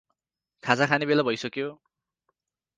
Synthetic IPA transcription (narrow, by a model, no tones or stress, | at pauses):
kʰad͡zakʰanebelabʱʌjsʌkjo